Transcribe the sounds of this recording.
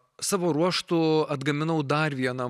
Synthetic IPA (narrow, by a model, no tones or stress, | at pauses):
sɑːʋoːɾuɔʃt̪ʊɐd̪ɡɐmʲɪnɐʊd̪ɐrʋʲiɛnɐ